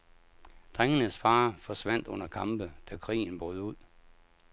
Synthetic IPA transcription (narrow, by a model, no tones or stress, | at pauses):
d̥ʁaŋənəsfɑ̈ːfɒ̽sʋæn̰d̥ɔ̽n̰ɐkʰɑ̈mb̥əd̥ækʰʁḭːn̩b̥ɔːðˠuð̰ˠ